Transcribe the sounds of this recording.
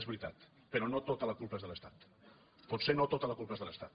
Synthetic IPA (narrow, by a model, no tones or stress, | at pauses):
ezβɾit̪a̰t̪ | pəɾɔnot̪ot̪ələkulˠpəezðələst̪a̰t̪ | put̪senot̪ot̪ələkulˠpəezðələst̪a̰t̪